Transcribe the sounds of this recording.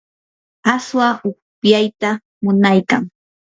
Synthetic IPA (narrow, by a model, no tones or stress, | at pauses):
aswaʊkpjajt̪a | mʊnajka̰ŋ